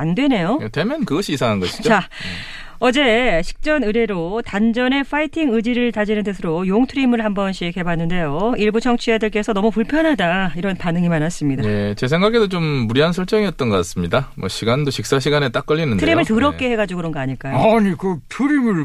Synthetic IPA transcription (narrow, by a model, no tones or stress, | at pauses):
andwe̞ne̞jotwe̞mjʌnnkɯɡʌɕʰiːsʰaŋɦanɡʌɕʰi̥d͡ʑot͡ɕa | ʌd͡ʑe̞ɕʰi̥k̚t͡ɕ͈ʌnɯɾe̞ɾotand͡ʑʌne̞fʰaitʰiŋɯd͡ʑiɾɯɭtad͡ʑinɯnt͈ɯs̬ʰɯɾojoŋtʰɯɾimɯɭhambʌnɕʰikʰe̞banːɯnde̞joiɭbut͡ɕʰʌŋt͡ɕʰijadɯɭk͈e̞sʰʌnʌmupuɭpʰjʌnɦadaiɾʌnpanɯŋimanɦas͈ɯmɲidaet͡ɕe̞sʰeŋɡakʰe̞sot͡ɕomːuɾiɦansʰʌɭt͡ɕ͈ʌŋiʌt̚t͈ʌnɡʌk͈as͈ɯmɲidamwʌɕʰiɡandoɕʰik̚s͈aɕʰiɡanet͈ak͈ʌʎːinɯndtʰɯɾimmɯɭtɯɾʌkk͈e̞he̞ɡad͡ʑuɡɯɾʌnɡʌaɲiɭk͈ajoɲikɯtʰɯɾimɯɭ